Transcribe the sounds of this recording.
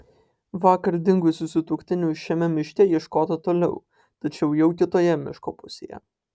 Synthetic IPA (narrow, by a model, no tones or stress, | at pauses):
ʋɑːkɐɾd̪ʲɪŋɡʊsʲɪsʊt̪ʊkʲt̪ʲɪnʲʊʃʲɛmʲɛmʲɪʃʲt̪ʲɛjiɛʃkoːt̪ɐt̪oːlʲɛʊ | t̪ɐt͡ʃʲɛʊjɛʊk̪ʲɪt̪oːjɛmʲɪ̰ʃko̰pʊsʲḛjɛ̰